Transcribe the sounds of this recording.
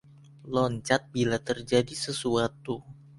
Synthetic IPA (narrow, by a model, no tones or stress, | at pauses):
lɔɲt͡ʃat̪̚bilat̪ərd͡ʒadisəsuat̪u